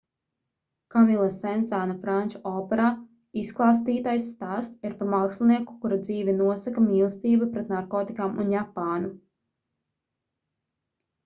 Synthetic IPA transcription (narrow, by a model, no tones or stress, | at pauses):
kamilˠasɛnsanafɾanʲt͡ʃɔɔːpɛɾaː | isklˠaːst̪iːt̪ajsːt̪aːst̪siɾpaɾmaːkslˠiniɛku̥kuɾad̪ziːvʲɛnuɔsakamiːlˠst̪iːbapɾɛt̪naɾkɔːt̪ikaːmṵnjapaːnu